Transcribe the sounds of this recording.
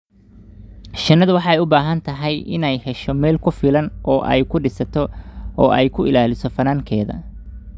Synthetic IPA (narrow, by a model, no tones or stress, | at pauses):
t͡ʃɐnːɐðʊwɑħɑɛjʊbaːɦɐnt̪ʰɐɦɛjɪ̰nɛjhɛʃɔmɛːlkʰʊfɪlɐnʔɔːʔɛ̰jkʰʊɖɪsɐt̪ʰɔʔɔːʔɛjkʰʊʔɪlaːlɪsɔfɐnaːŋkʰɛːðɐ̰